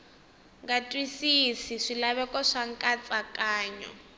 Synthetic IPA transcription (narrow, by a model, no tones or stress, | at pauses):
ŋɡatʼwisisiʂilaβɛkʼɔʂaŋkʼat͡sʼakʼaːɲɔ̰